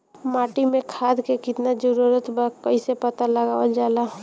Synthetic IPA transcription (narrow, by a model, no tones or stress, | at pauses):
maːʈimẽkʰad̪kekɪt̪nad͡ʒəɾuɾət̪bakəisepət̪aləɡaʋəld͡ʒaːla